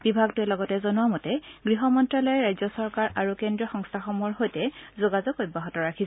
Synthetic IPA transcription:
b̥ibʱaɡtʊɛlɔɡɔtɛzɔnuamɔtɛɡɹiɦɔmɔntɹalɔjɛɹajzɔsɔɹkaɹʔaɹukendɹɔxɔŋstʰaxɔmɔɹɦojtɛzoɡazɔkojbaɦɔtɔɹakʰis

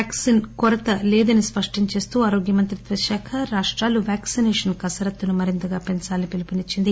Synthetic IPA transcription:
ksinkɔɾɐt̪ɐlɛːd̪ɐnispɐʂʈiɲt͡ʃe̞ːst̪uːaːɾoːɡjɐmɐnt̪ɾit̪ʋɐʃɛːkʰɐɾaːʂʈɾaːluʋjaːksinɛːʂɐnkɐsɐɾɐt̪ːunumɐɾint̪ɐɡaːpensaːlnipelupinit͡ʃːind̪i

